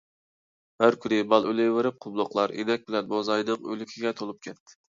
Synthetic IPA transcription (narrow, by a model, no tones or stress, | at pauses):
hæɾkʰʲynɪbɑlˠølɪjwɪɾɪp̚qʰʊblˠʊqlˠɑɾḛd̪ɛk̚ʲbɪlɛnbozɑjnɨŋø̰lykʲʰiɡʲɛt̪ʰolˠup̚kʲʰɛt̪ːɪ̥